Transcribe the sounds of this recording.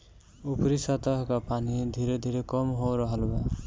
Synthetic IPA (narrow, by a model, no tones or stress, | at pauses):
upɾisət̪əɦkapanid̪ʱiɾed̪ʱiɾekɔmɦoɾəɦəlba